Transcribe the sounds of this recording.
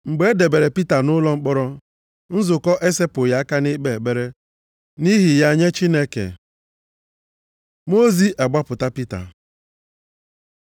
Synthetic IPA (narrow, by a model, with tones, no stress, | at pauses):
ŋ͡m̩˨ɡ͡be˨e˦de˨be˨ɾe˨pi˦ta˨nʊ˦lɔ˦ŋ͡m̩˦k͡pɔ˦ɾɔ˦ | n̩˦zʊ˨kɔ˦ʔe˦se˦pʊ˨ja˦a˦ka˦nɪ˦ɡ͡be˦˨e˨ɡ͡be˦ɾe˦ | ni˦ɦi˨ja˦˨ɲe˦t͡ʃi˦ne˦kḛ˨ | mo˦zi˦ʔa˨ɡ͡ba˦pʊ˨ta˦pi˦ta̰˨